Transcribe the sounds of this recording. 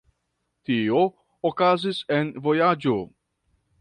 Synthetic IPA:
tioː | kazise̞nvo̞jad͡ʒo

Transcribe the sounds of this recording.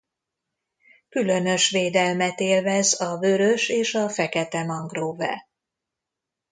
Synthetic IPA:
kylø̞nø̞ʃʋeːd̪ɛlmɛt̪eːlvɛzɒvøɾø̞ʃeːʃɒfɛkɛt̪ɛmɒŋɡroːvɛ̰

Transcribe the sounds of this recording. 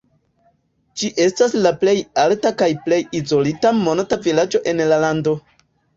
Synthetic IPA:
d͡ʒiʔe̞staslaple̞jaltakajple̞jizo̞litamonatavilad͡ʒo̞ʔe̞nlalando̞

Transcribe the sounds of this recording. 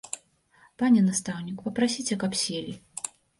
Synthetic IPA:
panʲɛnast̪awnʲikpɐpɾasʲit͡sʲɛkapsʲelʲi

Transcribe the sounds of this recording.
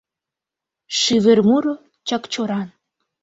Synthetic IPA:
ʃyβermuɾo | t͡ɕɑkt͡ɕoɾɑn

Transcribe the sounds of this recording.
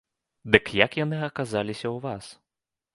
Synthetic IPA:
d̪ɨkjakjanɨɐkazalʲisʲɐwvas

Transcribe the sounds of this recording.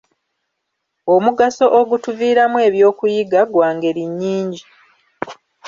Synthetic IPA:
omuɡaso̞ʔoɡutuviːɾamwe̞ːβjo̞ːkujiɡaɡwaːŋɡe̞ɾiɲːiːɲɟi

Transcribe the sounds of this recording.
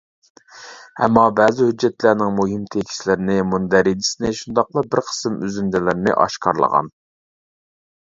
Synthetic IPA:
ɛ̰mːɑbɛːzɪhyd͡ʒːɛt̪læɾnɪŋmuɦɪmt̪ʰekʲʰi̥ʃlɪɾɪnɪmund̪æɾid̪isɪnɪʃund̪ɑqlˠɑbɪɾqʰə̥sɨmyzynd̪ɛlɪɾnɪ̰ʔɑ̰ʃqʰɑ̰ɾlˠə̰ʁɑ̰n

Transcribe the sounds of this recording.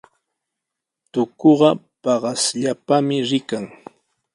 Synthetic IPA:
t̪ʊkoɢɑ | pɑɢɑsʎapamɪɾɪkaŋ

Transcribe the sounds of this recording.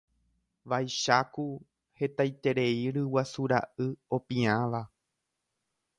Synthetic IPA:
ʋajʃaku | he̞t̪ajt̪e̞ɾe̞iɾɨwasuɾa̰ʔɨo̞pĩãʋa

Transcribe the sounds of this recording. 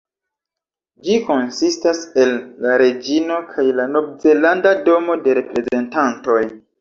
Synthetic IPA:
d͡ʒiko̞nsistase̞lːaɾe̞d͡ʒino̞kʰajlanobze̞landado̞mo̞de̞ɾe̞pɾe̞ze̞ntanto̞j

